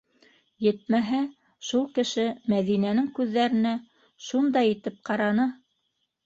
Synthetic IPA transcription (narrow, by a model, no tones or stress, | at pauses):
jɘt̪̚mæɦæ | ʃulˠkɘ̆ʃɘmæðinænɘŋkʉðːæɾɘ̆næ | ʃund̪ɑjɘ̆t̪ɘp̚qɑɾɑnɤ